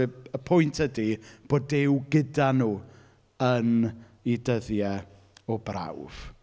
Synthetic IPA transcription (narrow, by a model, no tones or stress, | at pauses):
əpʰʊjntʰhədib̥oːdɪwɡədanuː | ən | idəðjɛ | ɔbra̰wv̥